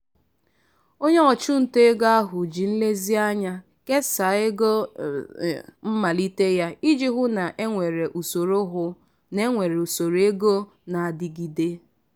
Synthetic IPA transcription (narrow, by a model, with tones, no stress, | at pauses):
o˦ɲe˦ɔ˨t͡ʃu˦n̩˨te˦ɡa˦a˦ɦʊ˨d͡ʒi˨n̩˦le˦zi˦a˦ɲa˦ | ke˦sa˨˦e˦ɡo˦ | m̩˦ma˨li˦te˦ja˦i˦d͡ʒi˦ɦʊ˦na˨ʔe˦ŋʷe˨ɾe˨ʔu˨so˨ɾo˦ɦʊ˦ | ne˦ŋʷe˨ɾe˨u˨so˨ɾe˦ɡo˦ | na˨a˨dɪ˨ɡi˨de˦